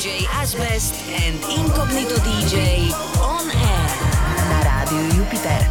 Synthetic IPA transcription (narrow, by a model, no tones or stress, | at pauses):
d͡ʒejazbɛs | ɛnd̪iŋkɔ̃pnit̪od̪id͡ʒej | ɔnɛɾnaɾad̪iojupit̪ɛɾ